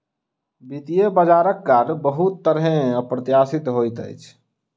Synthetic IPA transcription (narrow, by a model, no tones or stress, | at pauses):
bit̪ijəbəd͡ʒaːɾəkːaɾbəɦut̪ːəɾɦẽəpɾət̪jaːsɪt̪ɦojt̪ə̰jt͡ʃʰ